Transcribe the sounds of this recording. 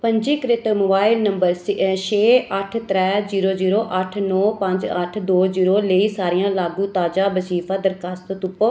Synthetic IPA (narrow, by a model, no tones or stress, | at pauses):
pəɲd͡ʒiːkɾɪt̪moːbaːɪlnəmbəɾsʃeːəʈʰt̪ɾɛːziːɾoːziːɾoːʔəʈʰnɔːpə̃ɲd͡ʒəʈʰd̪oːziːɾoːləiːsaːɾɪjãːlaːɡũːt̪aːd͡ʒaːbəsiːfʰaːd̪əɾkast̪t̪ʊpːoː